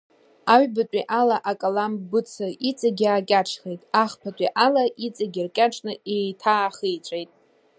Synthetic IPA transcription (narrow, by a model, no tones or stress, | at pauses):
aɥbatʼiʔalaʔakʼalambɨt͡sʰɨit͡sʼaɡʲaːkʲʼaʈ͡ʂʰχejtʼaχpʰatʷʼiʔalaʔit͡sʼaɡʲɪrkʲʼaʈ͡ʂʰʼnɨetʰaːχijt͡sʷʼejtʼ